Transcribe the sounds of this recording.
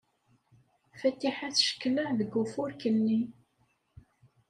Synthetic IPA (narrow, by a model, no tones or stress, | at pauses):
fæt̪ːiħaθʃə̥kːləʕðəɡːufʊɾkənːi